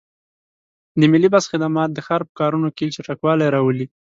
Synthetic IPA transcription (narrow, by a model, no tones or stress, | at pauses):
d̪əmɪlibasxɪd̪amɑt̪̚d̪əxɑɾpə̥kɑɾunokilt͡ʃaʈakwɑlajɾɑwəli